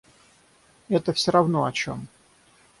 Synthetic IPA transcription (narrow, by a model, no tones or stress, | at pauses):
ɛt̪əfsʲoɾɐvnoɐt͡ɕo̰m